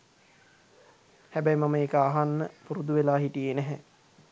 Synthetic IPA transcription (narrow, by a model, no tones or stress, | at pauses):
hæbɛjmaməeːkəaɦanːəpuɾud̪uʋelaːɦiʈijenɛɦɛ